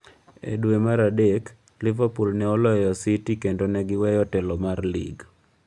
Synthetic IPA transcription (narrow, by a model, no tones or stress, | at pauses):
ḛdwemaɾadek | lɪvapulnɛɔlɔjɔsitikendonɛɡɪwɛjɔtɛlɔmarlḭɡ